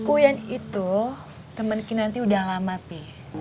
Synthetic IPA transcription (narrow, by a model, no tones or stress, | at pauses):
kujanit̪u | t̪əmənkinant̪iudahlamapi